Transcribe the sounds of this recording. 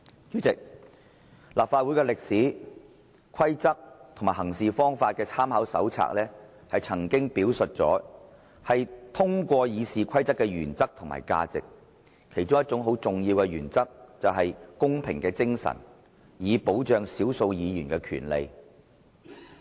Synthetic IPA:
jyː˥t͡sɪ˨k̚ | laː˨p̚faː˧t̚wu˨˥jkɛ˧lɪ˨k̚siː˨˥ | kʷʰɐ˥jt͡sɐ˥k̚t̪ʰmaː˨˩ɦɐ˨˩ŋsiː˨fɔː˥ŋfaː˧t̚kɛː˧t͡sʰaː˥mhɐ˨˥wsɐ̰˨˥wt͡sʰa̰ː˧˥k̚lɛː˥ | hɐ˨jt͡sʰɐ˨˩ŋkɪ˥ŋpiː˨˥wsɵ˨t̚t͡sɔ̰ː˨˥ | hɐ˨jt̪ʰʊ˥ŋkʷɔː˧jiː˨˧siː˨kʰɐ˥jt͡sɐ˥kːɛː˧jyː˨˩nt͡sɐ˥k̚t̪ʰʊ˨˩ŋma̰ː˨˩jka̰ː˧t͡sɪ̰˨k̚ | kʰe˨˩jt͡ʃʊ˥ŋjɐ˥t̚t͡sʊ˨˧˥ŋɦo˨˥wt͡sʊ˨ŋjiː˧wkɛ˧ɥy̰ː˨˩nt͡sɐ˥k̚t͡sɐ˨wɦɐ˨jkʊ˥ŋpʰɪ˨˩ŋkɛː˧t͡sɪ˥ŋsɐ̰˨˩n | jiː˨˧po˨˥wt͡ʃœː˨ŋsiː˨˥wso˧wjiː˨˧jyː˨˩nkɛː˧kʰy̰ː˨˩nlḛ˨j

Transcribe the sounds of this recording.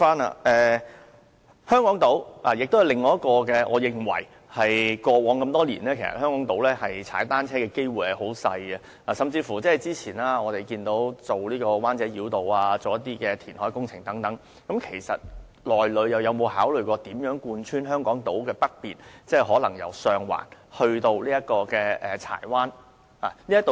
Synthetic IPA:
faː˥na̰˨ɛː˧ | hœː˥ŋkɔː˨˥ŋt̪o˨˥wla̰ː˨˩jɪ˨k̚t̪o˥whjlɪ˨ŋːɔː˨˦jɐ˥t̚kɔː˧kɛː˧ʔɔː˨˧jɪ˨ŋwɐ̰˨˩j | hɐ˨jkɔː˧wɔː˨˥ŋkɐ˧mt̪ɔː˥lḭː˨˩nlɛː˥kʰe˨˩sɐ̰˨˩hœː˥ŋkɔː˨˥ŋt̪o˨˥wlɛː˥hɐ˨jt͡sʰa̰ː˨˥jt̪aː˥nt͡sʰɛː˥kɛː˧ke˥jwuː˨˩jhɐ˨jho˨˥wsɐ̰˧jɐ˨˧ | aː˨˩sɐ˨mt͡siː˧fuː˨˩t͡sɛː˥˩˨jt͡siː˥t͡sʰiː˨˩naː˥ɔː˨˧t̪e˨jkiː˧nt̪o˨˥wt͡so˨wliː˥kɔː˧waː˥nt͡sɛː˨˥jiː˨˥wt̪o˨waː˧t͡so˨wjɐ˥t̪iː˥kɛː˧t̪ʰiː˨˩nhɔː˨˥jkʊ˥ŋt͡sʰɪ˨˩ŋt̪ɐ˨˥ŋt̪ɐ˨˥ŋ | kɐ˨˧˥mkʰe˨˩jsɐ̰˨t̚ | lɔː˨jlɵ˨˧ɥjɐ˨˩wjɐ˨˧wmo˨˧whaː˨˥wlɵ˨ɥkɔː˧t̪iː˨˥mjœː˨˥ŋkuː˧nt͡ʃʰyː˥nɦœː˥ŋkɔː˨˥ŋt̪o˨˥wkɛː˧pɐ˥t̚piː˨nt͡sɛː˥˩ɦɔː˨˥lɐ˨˩ŋjɐ̰˨˩wsœː˨ŋwa̰ː˨˩nhɵ˧ɥt̪o˧wliː˥jɐ˥t̚kɔː˧kɛː˧ʔɛː˨˩t͡sʰa̰ː˨˩jwaː˥n | a̰ː˨˩liː˥jɐ˥t̪o˨

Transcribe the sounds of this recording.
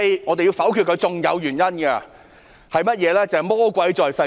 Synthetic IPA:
ŋɔː˨˧d̪e˨ji˧wfɐ˨˥wkʰy˧t̚kʰɵ˨˧t͡sʊ˨ŋjɐ̰˨˧wjyː˨˩njɐ˥nɡɐ˧ | hɐ˨˩jmɐ˥t̚jɛː˨˧lɛː˥t͡sɐ˨hjmɔː˥kʷɐ˨˧˥jt͡sɔː˨jsɐ˧

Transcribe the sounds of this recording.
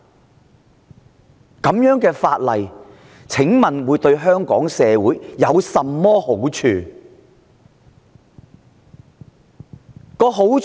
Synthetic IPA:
kɐ˨˥mjœː˨˥ŋkɛː˧faː˧t̚lɐ˨j | t͡sʰɪ˨˥ŋmɐ˨nwuː˨˧jt̪ɵ˧ɥɦœː˥ŋkɔː˨˥ŋsɛː˨˧wuː˨˥jːɐ˨˧wsɐ˨mːɔː˥ho˨˥wt͡ʃʰyː˧ | kɔː˧ɦo˨˥w

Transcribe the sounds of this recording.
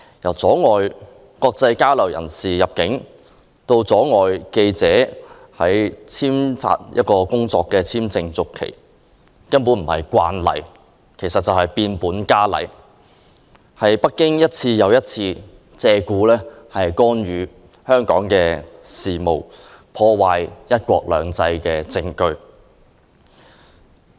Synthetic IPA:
jɐ˨˩wt͡sɔː˨˥ŋɔː˨j | kɔː˧k̚t͡sɐ˧jkaː˥wlɐ˨˩wjɐ̰˨˩nsiː˨jɐ˨p̚kɪ˨˥ŋ | t̪o˧wt͡sɔː˨˥ŋɔː˨jke˧jt͡sɛː˨˥ | hɐ˨˥jt͡sʰiː˥mfa̰ː˧t̚jɐ̰˦˥t̚kɔː˧kʊ˥ŋt͡sɔː˧kːɛː˧t͡sʰiː˥mt͡sɪ˧ŋt͡sʊ˨kʰːḛ˨˩j | kɐ˥npu˨˥nm̩˨˩hɐ˨jkʷwa̰ː˧nlɐ̰˨˩j | kʰe˨˩jsɐ˨t̚t͡sɐ˨whɐ˨jpiː˧npuː˨˥nkaː˥lɐ̰˨˩j | hɐ˨jpɐ˥t̚kːɪ˥ŋjɐ˥t̚t͡sʰiː˧jɐ˨˧wjɐ˥t̚t͡sʰiː˧ | t͡sɛː˧kuː˨˥lɛː˥hɐ˨jkɔː˥nɥyː˨˥ | hœː˥ŋkɔː˨˥ŋkɛː˧siː˨mo̰˨w | pʰɔː˧waː˨jjɐ˥t̚kʷɔ̰ː˧k̚lœ̰ː˨˧ŋt͡sɐ˧jkɛː˧t͡sɪ˧ŋkɵ˧ɥ

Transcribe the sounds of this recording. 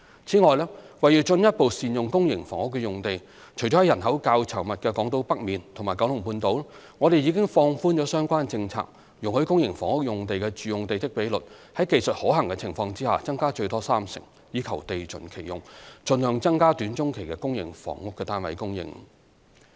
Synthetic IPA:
t͡sʰiː˨˥ŋɔː˨˧jlɛː˥wɐ˨jyː˨˩t͡ʃɵ˧njɐ˥t̚po˨wsiː˨njʊ˨ŋkʊ˥ŋjɪ˨˩ŋfɔː˨˩ŋʊ˥kːɛ˧jʊ˨˩ŋt̪e˨j | t͡ʃʰɵ˨˩jɔ˨˥˨jɐ˨˩nɦɐ˨˥wkaː˧wt͡sʰɐ˨˩wmɐ˨t̚kɛː˧kɔː˨˥ŋt̪o˧˥wpɐ˥k̚miː˨˧nt̪ʰʊ˨˩maː˨˩kɐ˨˥wlʊ˨˩ŋpuː˧nt̪o˨˧wl | ŋɔː˨˧ɾe˨jiː˨˧kɪ˥ŋfɔː˧ŋfuː˥nt͡ʃɔː˨˥sœː˥ŋkʷaː˥nt͡sɪ˧ŋt͡sʰa̰ː˧k̚ | jʊ˨ŋhɵ˧˥ɥkʊ˥ŋjɪ˨˩ŋfɔː˨˩ŋʊ˥k̚jʊ˨ŋt̪̬e˨jkɛ˧t͡ʃyː˨jʊ˨ŋt̪e˨jt̪ɪ˥k̚pe˨˥jlɵ˨t̚hɐ˨˥jke˨jsə˨t̚hɔː˨˥ɦɐ˨ŋkɛ˧t͡sʰɪ˨˩ŋfɔː˧ŋt͡siː˥haː˨t͡sɐ˥ŋkaː˥t͡ʃɵ˧ɥt̪ɔː˥saː˥msɪ̰˨˩ŋ | jiː˨˧kʰɐ˨˩wt̪e˨jt͡sɵ̰˨˩nkʰe˨˩jʊ̰˨ŋt͡ʃɵ˧nhœː˨˧ŋt͡sɐ˥ŋkaː˥t̪yː˨˥nt͡ʃʊ˥ŋkʰe˨˩jkɛ˧kʊ˥ŋjɪ˨˩ŋfɔ̰ː˨˩ŋʊ˥kːɛː˧t̪aː˥nwɐ̰˨˧jkʊ˥ŋjɪ̰˨˩ŋ

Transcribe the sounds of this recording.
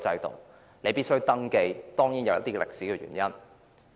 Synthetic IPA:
t͡sɐ˧jt̪ʊ̰˨˩ŋ | ne˨˧jpi˥tsɵ˥wt̪ɐ˥ŋke˧jt̪ɔː˥ŋjiː˨˥njɐ˨˧wɐ˥t̪iː˥ɛ˨lɪ̰˨k̚si˨˦˥kɛ˨˧jɥy̰˨˩njɐ˥n

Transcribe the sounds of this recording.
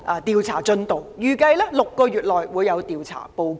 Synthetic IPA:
ʔaː˧˩t̪iː˨˧wt͡sʰa̰ː˨˩t͡ʃɵ˧˥nt̪o˨wjyː˨˩kɐ˧jlɛː˥lʊ˨kːɔː˧jyː˨t̚lɔː˨jwuː˨˧jɐ˨˧wt̪iː˨wt͡sʰa̰ː˨˩po˧w

